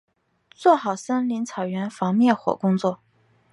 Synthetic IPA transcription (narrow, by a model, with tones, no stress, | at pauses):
t͡swɔ˥˩xɑ˨˩ʊsə˥nli˧˥ŋt͡sʰɑ˨˩ʊɥɛ˧˥nfɑ˧˥ŋmjɛ˥˩xwɔ̰˨˩kʊ˥ŋt͡swɔ˥˩